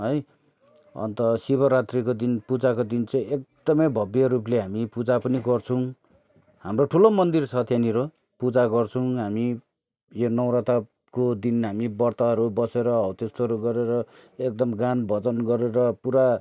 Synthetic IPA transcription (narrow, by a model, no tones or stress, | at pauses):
ɦʌj | ʌ̰nt̪ʌsibʌɾat̪rikod̪inpud͡zakod̪int͡sʌj̃ek̚d̪ʌmʌjbʱʌbjʌɾupleɦamipud͡zapʌniɡʌrt͡sʰũ | hamroʈʰulomʌnd̪irsʰʌt̪ʰjaniɾo | pud͡zaɡʌrt͡sʰʌw̃ɦami | jonʌw̃ɾat̪a | kod̪inɦamibʌrt̪aɦʌɾubʌseɾʌʌwt̪est̪ʌʌɾuɡʌɾeɾʌek̚d̪ʌmɡanbʌd͡zʌnɡʌɾeɾʌpuɾa